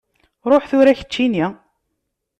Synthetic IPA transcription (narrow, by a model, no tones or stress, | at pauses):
ɾˤoħθʊɾæçə̥t͡ʃːini